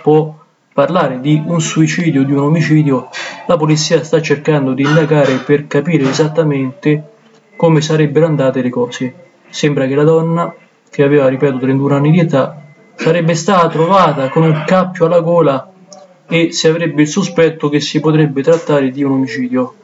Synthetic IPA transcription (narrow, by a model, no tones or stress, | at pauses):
pwɔ | pːarlaːɾɪd̪iunsuit͡ʃiːd̪jod̪iunomit͡ʃiːd̪jolapolit̪sːiːast̪at͡ʃːerkand̪od̪iːnd̪aɡaːɾepɪrkapiːɾeːzat̪ːament̪ɪ | komesaɾɛbːɪɾoand̪aːt̪ɪlɪkɔːse | sɛmbɾak̟ɪlad̪ɔnːa | k̟eavɛːvaripɛːt̪ot̪ɾɛnt̪unanːid̪iet̪a | saɾɛbːɪst̪aːt̪at̪ɾovaːt̪akonuŋkapːjoalːaɡɔːla | esːiavɾɛbːɪilsʊspɛt̪ːʊk̟esːipot̪ɾɛbːɪt̪ɾat̪ːaːɾɪd̪iunomit͡ʃiːd̪jo